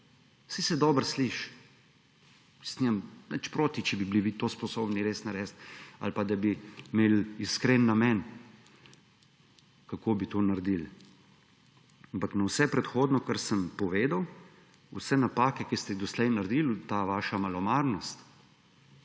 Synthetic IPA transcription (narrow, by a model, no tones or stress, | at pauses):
sisɛd̪ɔbəɾsliʃ | isniɛmnɛt͡ʃpɾoːt̪it͡ʃɛbibliʋit̪oːspɔsoːbniɾeːsnaɾɛst̪a̰lpad̪abimeːliskɾenːamɛn | kakoːbit̪oːnaɾd̪il | ampaknawsɛpɾɛt̪xoːd̪nɔkaɾsəmpɔʋeːd̪aw | usɛnapaːkɛkist̪ɛd̪ɔslɛjnaɾd̪ilt̪aːʋaːʃamalɔmaɾnɔst̪